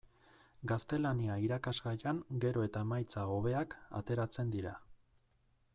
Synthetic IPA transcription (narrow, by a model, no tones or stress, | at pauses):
ɡast̪e̞laniaiɾakazɡajaŋɡe̞ɾo̞e̞t̪amajt͡sao̞β̞e̞aka̰t̪e̞ɾat͡se̞nd̪iɾa